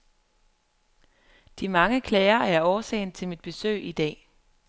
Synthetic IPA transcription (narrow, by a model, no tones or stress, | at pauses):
d̥imɑ̈ŋəkʰlɛːɪɐæɐɒːsɛ̰ɪnt͡sʰe̝lmid̥̚b̥e̝sø̰ːɪid̥ɛ̰ː